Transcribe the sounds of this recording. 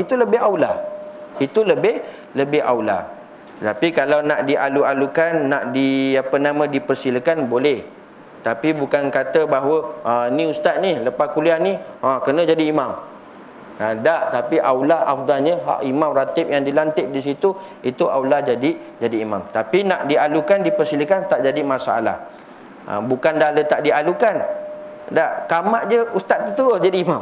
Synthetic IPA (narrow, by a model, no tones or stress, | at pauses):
it̪uləbɪɦawlahit̪uləbɪh | ləbɪɦa̰wla̰ | t̪ət̪apikalawnaʔdiʔalualukanːaʔdiapənãmãdipərsiləkanbolɛh | t̪apibukankat̪əbaɦwəənĩust̪at̪̚niləpahkulianĩakərnə̃d͡ʒadiːmãm | adaʔt̪apiʔawlahʔa̰fd̪alɲəɦa̰ʔimãmrat̪ɪp̚jaŋdilant̪ɪʔ̚disit̪uit̪uʔa̰wlahd͡ʒadi | d͡ʒadiima̰mt̪apinaʔdialukandipəɾsilikant̪aʔd͡ʒadimãsaa̰la̰h | ə̰bukandalət̪aʔdialukan | daʔkamaʔd͡ʒəust̪at̪̚ːət̪uəd͡ʒadiːmam